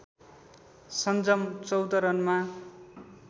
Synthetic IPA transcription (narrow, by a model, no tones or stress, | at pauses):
sʌnd͡zʌmt͡sʌwd̪ʌɾʌnma